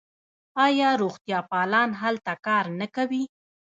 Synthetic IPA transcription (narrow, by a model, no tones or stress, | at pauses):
ɑjɑɾoɣt̪jɑpɑlɑnɦalt̪akɑɾnakawi